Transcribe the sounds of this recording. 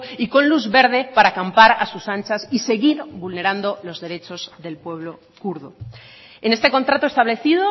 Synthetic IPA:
iko̞nluzβe̞ɾð̞e̞paɾakampaɾasusant͡ʃasise̞ɣiɾβulne̞ɾand̪o̞lo̞zðe̞ɾe̞t͡ʃo̞zðe̞lpwe̞βlo̞ | kuɾðo | enest̪e̞ko̞nt̪ɾat̪oest̪aβle̞θiðo

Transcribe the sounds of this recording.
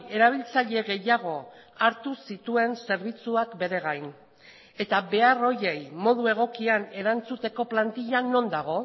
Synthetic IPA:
e̞ɾaβ̞ilt͡saʎe̞ɣe̞jaɣ̞o̞ | aɾt̪usit̪ue̞nse̞ɾβit͡suakbe̞ɾe̞ɣajn | e̞t̪aβe̞aro̞je̞jmo̞ðue̞ɣ̞o̞kiane̞ɾant͡sut̪e̞ko̞plant̪iʎano̞nd̪aɣ̞o̞

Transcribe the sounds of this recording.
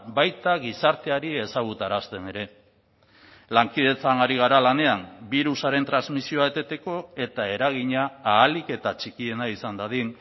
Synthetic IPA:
bajt̪aɣisaɾt̪e̞aɾie̞saɣ̞ut̪aɾast̪e̞ne̞ɾe̞ | laŋkiðe̞t͡sanaɾiɣ̞aɾalane̞ambiɾusaɾe̞nt̪ɾanzmisio̞aet̪e̞t̪e̞ko̞e̞t̪ae̞ɾaɣ̞iɲaːlike̞t̪at͡ʃikie̞naisand̪aðin

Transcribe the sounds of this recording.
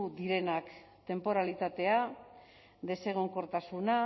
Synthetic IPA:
ud̪iɾe̞nakt̪e̞mpo̞ɾalit̪at̪e̞a | d̪e̞se̞ɣ̞oŋko̞ɾt̪asuna

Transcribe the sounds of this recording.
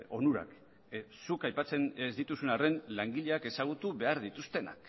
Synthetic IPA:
o̞̰nuɾa̰k | sukajpat͡se̞nezd̪it̪usunare̞nlaŋɡiʎe̞ake̞saɣ̞ut̪uβe̞aɾðit̪ust̪e̞na̰k

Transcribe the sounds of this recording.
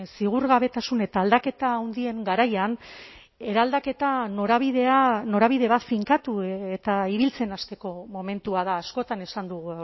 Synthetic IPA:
siɣ̞uɾɣaβe̞t̪asune̞t̪aːld̪ake̞t̪aːwnd̪ie̞ŋɡaɾajan | e̞ɾald̪ake̞t̪anoɾaβiðe̞ano̞ɾaβiðe̞βat̪fiŋkat̪ue̞t̪aiβilt͡se̞nast̪e̞ko̞mo̞me̞nt̪uað̞aːsko̞t̪ane̞sand̪uɣu

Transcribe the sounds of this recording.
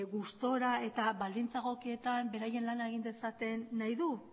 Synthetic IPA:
ɣust̪o̞ɾae̞t̪aβald̪int͡saɣo̞kie̞t̪ambe̞ɾaje̞nlanae̞ɣ̞ind̪e̞sat̪e̞nːajðu

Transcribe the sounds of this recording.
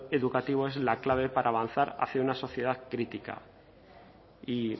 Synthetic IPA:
e̞ðukat̪iβ̞oe̞zlaklaβ̞e̞paɾʔaːβ̞an̟θaɾa̰θjaunaso̞θjeðaðkɾit̪ika̰ | i

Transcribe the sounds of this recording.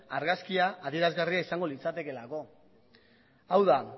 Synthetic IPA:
aɾɣaskiaʔːðie̞ɾazɣariaisaŋɡo̞lit͡sat̪e̞ke̞lako̞ | awða

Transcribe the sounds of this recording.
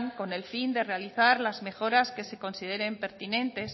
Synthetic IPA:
ŋko̞ne̞lfind̪ere̞aliθaɾlazme̞xo̞ɾaske̞se̞ko̞nsið̞e̞ɾe̞mpe̞ɾt̪inẽ̞nt̪e̞s

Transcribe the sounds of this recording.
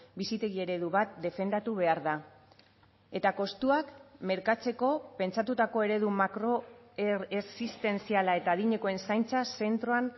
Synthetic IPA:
bisit̪e̞ɣie̞ɾe̞ð̞uβat̪̚d̪e̞fe̞nd̪at̪uβ̞e̞aɾða | e̞t̪ako̞st̪uakme̞ɾkat͡se̞ko̞pe̞nt͡sat̪ut̪ako̞e̞ɾe̞ð̞umakɾo̞ | esist̪e̞nt͡sialae̞t̪aːðiɲe̞ko̞e̞nsajnt͡sase̞nt̪ɾo̞an

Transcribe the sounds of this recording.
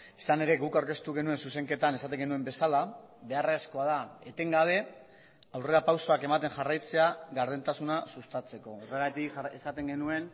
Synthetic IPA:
e̥sane̞ɾe̞ɣukawɾke̞st̪uɣe̞nue̞nsuse̞ŋke̞t̪ane̞sat̪e̞ŋɡe̞nue̞mbe̞sala | βe̞aresko̞að̞ae̞t̪e̞ŋɡaβ̞e̞ | awre̞ɾapawso̞ake̞mat̪e̞ŋʝarajt͡se̞aɣaɾð̞ent̪asunasust̪at͡se̞ko̞ore̞ɣat̪ikesat̪e̞ŋɡe̞nue̞n

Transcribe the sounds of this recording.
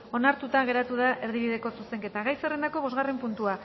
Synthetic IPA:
o̞naɾt̪ut̪aɣ̞e̞ɾat̪uð̞aʔe̞ɾðiβ̞iðe̞ko̞suse̞ŋke̞t̪aɣajsere̞nd̪ako̞βo̞zɣare̞mpunt̪ua

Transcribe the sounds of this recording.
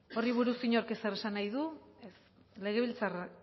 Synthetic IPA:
o̞riβ̞uɾusiɲoɾkesere̞sanajðues | le̞ɣ̞e̞β̞ilt͡sara

